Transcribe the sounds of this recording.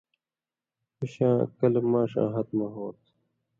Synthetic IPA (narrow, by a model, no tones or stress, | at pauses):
uɕãːkɐlemãːʂã̰ːɦɐt̪mɐɦoːt̪